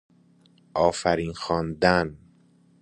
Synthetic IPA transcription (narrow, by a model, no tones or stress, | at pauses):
ʔɒːfæɾiːnxɒːnd̪æn